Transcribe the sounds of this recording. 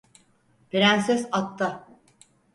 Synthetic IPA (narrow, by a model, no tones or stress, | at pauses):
biɾænsɛsat̪ːa